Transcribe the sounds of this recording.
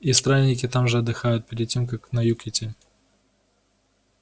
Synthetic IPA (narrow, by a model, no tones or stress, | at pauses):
ist̪ɾanʲːɪkʲɪt̪amʐɨɐd̪ːɨxajʊt̪̚pʲɪɾʲɪd̪̚tʲemkaknɐjukʲɪtʲɪ